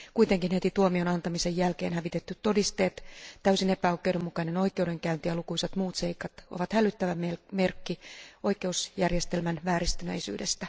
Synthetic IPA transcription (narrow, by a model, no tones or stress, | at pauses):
kuit̪eŋkinhet̪it̪uomionɑnt̪ɑmisejælkeːnhæʋit̪et̪ːyt̪to̞dist̪eːt̪t̪æysinepæokːˑewdemːukɑineno̞ikˑeude̞ŋkæynt̪iælukuiset̪muːt̪seikɑt̪o̰ʋɑt̪hælyt̪ːæʋæmemerkːio̞ike̞usjærjest̪elmænʋæːɾist̪ynḛisy̰ːde̞st̪æ